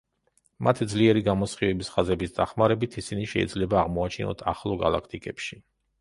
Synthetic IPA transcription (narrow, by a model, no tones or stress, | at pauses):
mʔat̪ʰid̪zliɛɾiɡamɔsχivɛbisχazɛbisd̪aχmaɾɛbit̪ʰisiniʃɛ̰id̪zlɛbaːʁmɔat͡ʃʰinɔ̰t̪ʰa̰χlˠɔɡa̰lˠa̰kʰt̪ʼikʼɛpʃi